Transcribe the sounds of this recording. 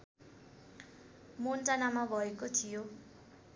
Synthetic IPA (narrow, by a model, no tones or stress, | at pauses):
montanamabʱʌekot̪ʰijo